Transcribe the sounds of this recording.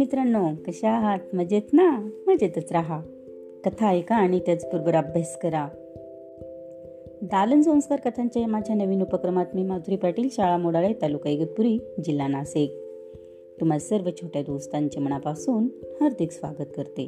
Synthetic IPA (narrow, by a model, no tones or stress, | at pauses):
mit̪ɾənːokəɕaɦat̪məd͡ʑet͡s̪naməd͡ʑet̪ət͡sɾaɦa | kət̪ʰaekaːɽ̃it̪jat͡spuɾbəɾabʱjaskəɾa | d̪alənsə̃w̃skaɾkət̪ʰaɲt͡ɕjaemad͡ʑʱjanəʋiːnupəkɾəmat̪miːmad̪ʱuɾiːpaʈiːlɕaɭamoɽaɭet̪alukajɡət̪̚puɾiːd͡ʑilːanasek̚ | t̪um̤ad͡zsəɾʋət͡ɕʰoʈjad̪ost̪aɲt͡ɕem̤əɳ̃apasuːnhəɾd̪ʱiksʋa̰ɡət̪̚kəɾt̪ḛ